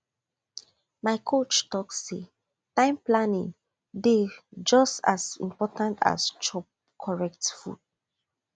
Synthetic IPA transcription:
maɪkʰot͡ʃtɔksːḛ | tãɪ̃mplanĩŋ | ded͡ʒɔsta̰sḭ̃mpɔtãntʰa̰st͡ʃɔp̚ | kʰɔɹɛk̚tfṵd̥̚

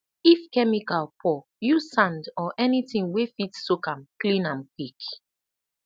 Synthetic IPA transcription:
ifkɛmikalpʰɔ | jusãndɔʔɛnitĩŋwefitsukãmklĩnãmkik

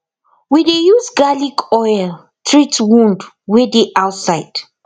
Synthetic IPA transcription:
widejuzɡalikʰɔjl | tʰɹitwũnd | widiʔawtsajd̥

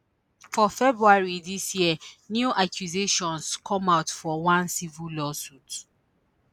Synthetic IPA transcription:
fɔfɛbɹuaɹiðisjinjuʔakʰjuzeʃɔ̃nskʰɔ̃maʊtfɔwãnsivilɔsut

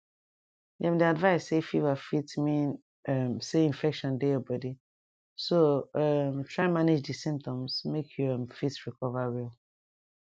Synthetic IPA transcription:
dɛ̃mdiadvaɪsːefivafitmĩn | ɛmseĩnfɛkʃɔ̃ndeɔbɔdi | soɛmtʰɹ̥aɪ̃nmanid͡ʒdisĩmp̚tɔ̃msmekʰjuɛmfitɹikʰɔvaɹilˠ

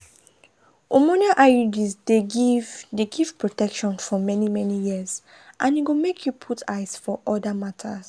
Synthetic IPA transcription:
omɔniaʔaud͡ʒisde | deɡiv̥pʰɹotɛkʃɔ̃nfɔmɛnimɛnijiəz | ʔãnjiɡomekʰjupʰutʰaɪsfɔʔɔdamatʰa̰z

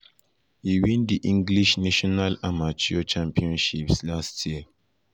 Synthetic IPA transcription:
hiwĩndiʔĩŋɡliʃnaʃɔnalamat͡ʃiot͡ʃãmpiɔ̃nʃipslastʰi

